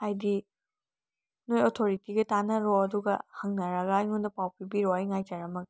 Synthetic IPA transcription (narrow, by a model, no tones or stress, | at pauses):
ajdi | nojotʰoɾitiɡɐtanɐɾɔɐduɡɐ̰hɐŋnɐɾɐɡaːjŋundɐpawpibiɾɔajŋajtɐɾɐmɐɡ̚